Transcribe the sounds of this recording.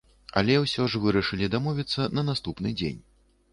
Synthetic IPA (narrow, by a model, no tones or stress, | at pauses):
ɐ̰lʲɛwsʲɔʐvɨɾɐʂɨlʲid̪amɔvʲit̪sːɐnɐnast̪upnɨd͡zʲḛnʲ